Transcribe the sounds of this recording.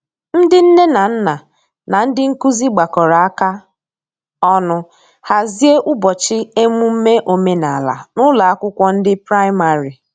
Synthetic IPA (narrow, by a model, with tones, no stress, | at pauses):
n̩˦dɪ˦n̩˦ne˦na˨n̩˦na˨ | na˨n̩˦dɪ˦ŋ̩˦ku˦zi˦ɡ͡ba˨kɔ˨ɾa˨a˦ka˦ | ɔ˦nʊ˦ | ha˨zi˦e˦ʔʊ˦bɔ˨t͡ʃɪ˦e˦mu˦m̩˦me˦ʔo˨me˦na˨la̰˨nʊ˦la˨a˦kʷʊ˦kʷɔ˦n̩˦dɪ˦pɾa˦ɪ˦ma˨ɾi˨